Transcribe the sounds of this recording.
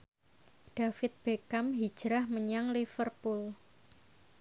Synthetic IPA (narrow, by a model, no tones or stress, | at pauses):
d̥afɪt̪̚b̥ekamɦi̥ʒ̥ɾahməɲaŋlifərpʊl